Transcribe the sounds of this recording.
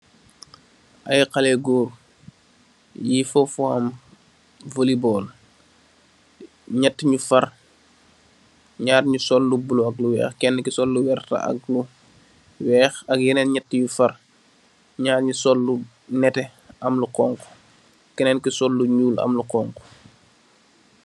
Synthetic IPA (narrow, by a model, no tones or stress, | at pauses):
ʔɐjqɐlɛɡuːr | jifɔfɔɐm | volibɔːl | ɲɛtːɲufɐr | ɲaːtɲusɔlːubuluɐk̚luwɛ̰ːxkɛnːəkisɔlːuwɛrtɐ̰ʔɐ̰k̚lu | wɛːxɐk̚jɛnɛnɲɛtːiɲufɐr | ɲaːtɲusɔlːu | nɛtɛ | ɐmluqɔːŋku̥ | kɛnɛnkisɔlːuɲuːlɐ̰mluqɔŋku̥